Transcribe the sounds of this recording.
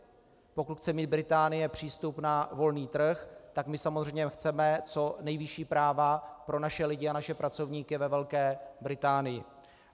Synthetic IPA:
po̞kut̪xt͡sɛmiːd̪̚bɾɪt̪aːnɪjɛpr̝̥iːst̪upnavo̞lniːt̪r̩xt̪akmɪsamozr̝ɛjɲɛxt͡sɛmɛt͡so̞nɛjvɪʃiːpɾaːvapɾo̞naʃɛlɪɟɪanaʃɛpɾat͡so̞vɲiːkɪvɛvɛlkɛːbɾɪt̪aːnɪjɪ̰

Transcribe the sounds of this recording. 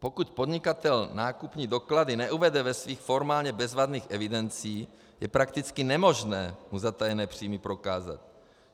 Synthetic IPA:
po̞kuc̪po̞d̪ɲɪkat̪ɛlnaːkupɲiːdo̞kladɪnɛʔuvɛdɛvɛsviːxfo̞ɾmaːlɲɛbɛzvad̪niːxʔɛvɪdɛnt͡siː | jɛpɾakt̪ɪt͡skɪnɛmo̞ʒnɛːmuzat̪ajɛnɛːpr̝̥iːmɪpɾo̞kaːza̰t̪̚

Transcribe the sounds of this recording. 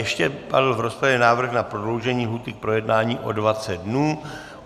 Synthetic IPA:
jɛʃcɛpa̰dl̩vɾo̞spɾavjɛnaːvr̩xnapɾodlowʒɛɲiːɦuːt̪ɪk̚pɾo̞jɛdnaːɲiːʔo̞̰dvat͡sɛd̚dnuː

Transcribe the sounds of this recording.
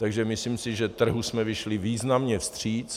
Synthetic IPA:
t̪aɡʒɛmɪsliːmsɪʒɛt̪r̩ɦusmɛvɪʃlɪviːznamɲɛfst̪r̝̥iːt͡s

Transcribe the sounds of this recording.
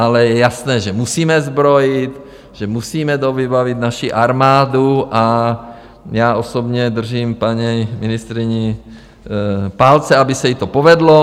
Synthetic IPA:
alɛjɛjasnɛːʒɛmusiːmɛzbɾojɪt̪ | ʒ̥ɛmusiːmɛd̪ovibavit̪naʃiʔaɾmaːduʔa | jaːʔosobɲɛd̪r̩ʒiːmpaɲɛjmɪnɪst̪ɾɪɲɪ | paːlt͡sɛabɪsɛjit̪opovɛd̪lo

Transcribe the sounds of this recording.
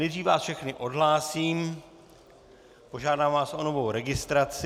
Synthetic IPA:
nɛjd̪riːfvaːsfʃɛxnɪʔo̞dɦlaːsiːm | po̞ʒaːdaːmvaːsʔo̞no̞vo̞wɾɛɡɪst̪ɾat͡s

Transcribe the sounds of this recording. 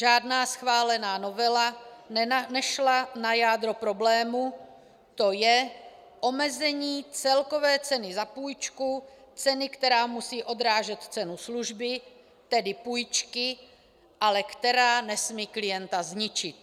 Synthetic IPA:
ʒaːd̪naːsxvaːlɛnaːno̞vɛla | nɛʃlanajaːd̪ɾo̞pɾo̞blɛːmu | t̪o̞jɛ | ʔo̞mɛzɛɲiːt͡sɛlko̞vɛːt͡sɛnɪzapuːjt͡ʃkut͡sɛnɪkt̪ɛɾaːmusiːʔo̞d̪ɾaːʒɛt̪t͡sɛnusluʒbɪ | t̪ɛdɪpuːjt͡ʃkɪ | ʔalɛkt̪ɛɾaːnɛsmiːklɪjɛnt̪azɲɪt͡ʃɪt̪

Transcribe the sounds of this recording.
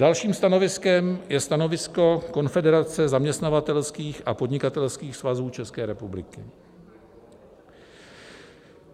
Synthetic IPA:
dalʃiːmst̪ano̞vɪskɛmjɛst̪ano̞vɪsko̞ko̞nfɛdɛɾat͡sɛzamɲɛst̪navat̪ɛlskiːxʔapo̞dɲɪkat̪ɛlskiːxsvazuːt͡ʃɛskɛːɾɛpublɪkɪ

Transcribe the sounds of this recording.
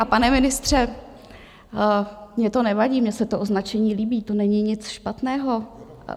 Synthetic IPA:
ʔapanɛmɪnɪst̪r̝̥ɛ | mɲɛt̪o̞nɛvaɟiːmɲɛsɛt̪oʔo̞znat͡ʃɛɲiːliːbiːt̪o̞nɛɲɪɲɪt͡sʃpat̪nɛːɦo̞

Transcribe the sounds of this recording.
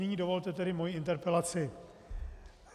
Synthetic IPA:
ɛɲiːdo̞vo̞lt̪ɛt̪ɛdɪmojiɪnt̪ɛɾpɛlat͡sɪ

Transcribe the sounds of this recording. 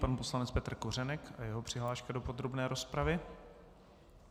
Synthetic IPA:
panpo̞slanɛt͡spɛt̪r̩kor̝ɛnɛkʔajɛɦo̞pr̥ɪɦlaːʃkado̞po̞d̪ɾo̞bnɛːɾo̞spɾavɪ

